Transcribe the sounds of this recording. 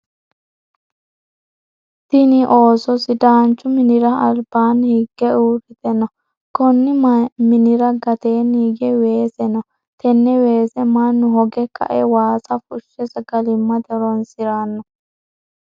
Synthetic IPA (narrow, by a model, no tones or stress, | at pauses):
t̪ɪnɪʔo̞ːsɔsɪd̪aːnt͡ʃːʊmɪnɪɾɐɐlbaːnhɪɡːɛuːɾɪt̪ɛnɔ | kɔnːɪmɪnɪɾɐɡɐt̪eːniːɡɛwe̞ːsɛnɔ | t̪ɛnːɛweːsɛmɐnːʊɦɔɡɛkʰɐ̰ʔɛwaːsɐfʊʃːɛsɐɡɐlɪmːɐd̪ɛɾɔnsɪɾanːɔ